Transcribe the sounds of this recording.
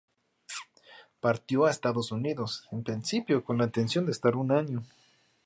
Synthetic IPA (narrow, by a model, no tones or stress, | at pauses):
paɾt̪joaest̪aðosuniðosempɾinsipjokonlaint̪e̞nsjo̞nd̪est̪aɾunaɲo